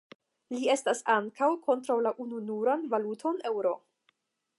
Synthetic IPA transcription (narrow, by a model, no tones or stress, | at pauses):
lie̞stasaŋkawkʰo̞ntɾawlaʔununuɾanvalutʰo̞ne̞wɾo̞